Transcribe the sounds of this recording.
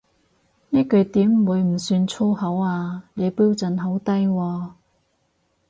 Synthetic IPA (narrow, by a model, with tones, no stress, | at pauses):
niː˥kɵ˨˧ɥt̪iː˨˥m˨wuː˨˧jm̩˨˩syː˧nt͡sʰoː˥hɐ˨˥waː˧ne˨˧jpiː˥wt͡sɐ˨˧nɦɐ˨˥wt̪ɐ˥jwɔː˧